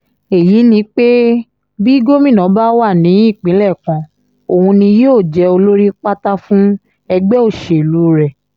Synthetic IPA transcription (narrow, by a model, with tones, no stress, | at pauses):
e˨ji˨˦nĩ˧˦k͡pe˦ | bi˦ɡo˦mĩ˦˨nɔ̃˨˦ba˦wa˦˨nĩ˨˦˨k͡pĩ˨˦lɛ˦˨kã˧ | o˨hũ˧nĩ˧jo˦˨d͡ʒɛ˧o˧lo˦ɾi˦k͡pa˦ta˦fũ˦ | ɛ˧ɡ͡bɛ˦o˦˨ʃe˨lu˨˦ɾɛ˨